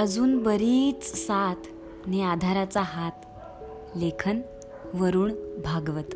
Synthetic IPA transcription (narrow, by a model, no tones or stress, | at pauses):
əd͡zuːnbəɾiːt͡ssat̪ʰ | nead̪ʱaɾat͡saɦat̪ | lekʰən | ʋəɾuːɳbʱaɡʋət̪